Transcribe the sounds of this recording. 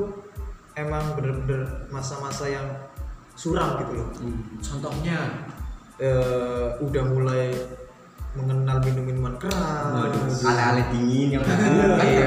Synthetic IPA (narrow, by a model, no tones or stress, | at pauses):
emaŋbəɾbədərmasamasajaŋ | suɾaŋɡit̪ulɔht͡ʃɔnt̪ɔhɲa | əudahmulaj | məŋənalminuminumankəɾa | alaalɛd̪iŋɪnjaŋaa